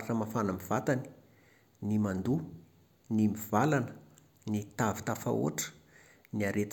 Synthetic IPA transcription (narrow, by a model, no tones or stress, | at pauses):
aʈ͡ʂəmafanamivat̪ani̥ | nimand̪u | nimivalanə̥ | nit̪avi̥t̪afa̰o̰aʈ͡ʂə̥ | niaɾet̪